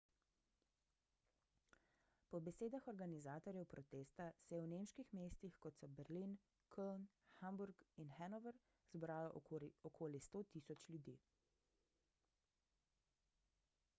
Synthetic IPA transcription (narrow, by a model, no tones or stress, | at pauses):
pɔbɛseːd̪axɔɾɡanizaːt̪ɔɾjɛwpɾɔt̪eːst̪asɛjɛwnemʃkixmeːst̪ixkɔt̪sɔbɛɾlin | kʰɔln | xambuɾkinxɛnɔʋəɾ | zbɾaːlɔʔɔkʰoːlist̪oːt̪isɔt͡ʃlʲjud̪iː